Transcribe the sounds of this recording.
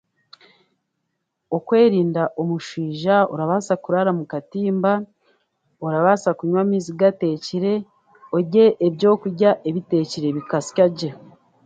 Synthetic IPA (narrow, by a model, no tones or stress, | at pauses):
o̞kwe̞ːɾiːndaʔomuʃiːʒao̰ɾaβaːsakuɾaɾamukatiːmba | oɾaβaːsakuɲwamiziɡate̞ːciɾe̞ | oɟe̞ʔebjo̞ːkuɾɟaʔeβite̞ːciɾe̞βikasi̥caɟe